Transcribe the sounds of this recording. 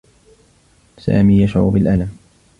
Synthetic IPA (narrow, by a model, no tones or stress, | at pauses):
sa̰ːmiːjaʃʕʊ̰bɪlʔalam